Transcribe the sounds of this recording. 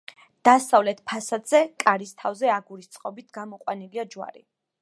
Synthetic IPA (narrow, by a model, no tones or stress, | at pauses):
d̪̥asavlɛt̪ʰpʰasad̪z̥ɛkʼaɾist̪ʰavzɛaɡuɾist̪sʼqʼɔbit̪ʰɡamɔqʼwaniliad͡ʒwa̰ɾḭ